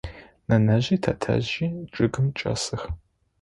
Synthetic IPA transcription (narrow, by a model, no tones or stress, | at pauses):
nɐnɐʑiːtʰɐtʰɐ̰ʑiːʈ͡ʂʼɨɡɨmt͡ʃʼɐ̰sɨx